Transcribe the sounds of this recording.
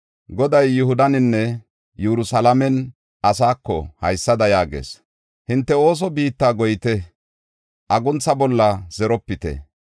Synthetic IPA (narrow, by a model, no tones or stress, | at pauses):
ɡɔd̪ɐjːʊhʊd̪ɐnɪnːɛ | jɛɾʊsɐlɐmɛn | ɐsaːkːɔ̰hɐjsːɐd̪ɐjaːɡḛːs | hɪnt̪ːɛo̞ːs̬ɔbiːt̪ːaːɡɔjɪt̪ɛ | ʔɐɡʊnt͡sːɐbɔlːɐz̥ɛɾɔpːɪt̪ɛ̰